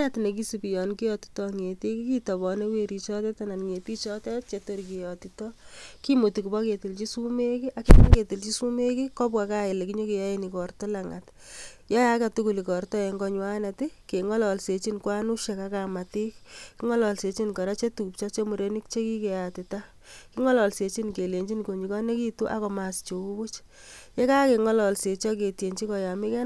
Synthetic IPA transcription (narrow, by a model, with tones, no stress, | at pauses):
atine˨k̬i˦si˨pi˨jɔ˨nki˦jɔ˨ti̥tɔŋe˨ti˦ki˦ki˦tɔ˨bɔ˨ne˦we˦ɾi˨t͡ʃɔ˦tɛ˦tana˨nŋe˨pi˦t͡ʃɔ˦tɛ˦t͡ʃeto˦ɾiki˨jɔtitɔki˦mo˨ti˨ku˨bɔ˦ke˨ti˨lt͡ʃi˦su˦me˦ki˦ʔakima˦ke˨ti˨lt͡ʃi˦su˦me˦kikɔ˦pwakaje˨le˨ki˦ɲo˦ki˨ja˦jeni˨kɔ˨rtɔ˦laŋat | jɔ˦ja˦ka˨tuku˨li˨kɔ˨rtɔ˦e˨ŋɡɔ˦ɲwa˦na˨ti˦ke˨ŋɔ˦lɔ˨lse˨t͡ʃi˦nkwa˦nu˦ʃe˨ka˦ka˨ma˨ti˦k̚ki˦ŋɔ˦lɔ˨lse˨t͡ʃi˦nkɔ˨ɾa˦t͡ʃe˦tu˨ku˨p̚t͡ʃa˦t͡ʃe˦mu˨ɾe˨ni˦kt͡ʃe˦ki˦ke˨ja˨tɪ˨ta˦ | ki˦ŋɔ˦lɔ˨lse˨t͡ʃi˦nke˨le˨ɲd͡ʒi˦nko˨ɲi˨kɔ˦ne˦ki˦tu˦ʔa̰˦kɔ˨ma˨st͡ʃo˨ku˦ku˦t͡ʃ | je˦ka˦ke˨ŋɔ˦lɔ˨lse˨t͡ʃɔ˦ke˨tje˨ɲt͡ʃi˦kɔ˨ja˨mi˦kɛ˦